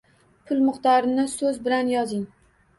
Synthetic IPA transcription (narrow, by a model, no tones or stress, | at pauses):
pʰʊlˠmʊχt̪ɒɾɪnɪsɵzbɪlanjɒzɪŋ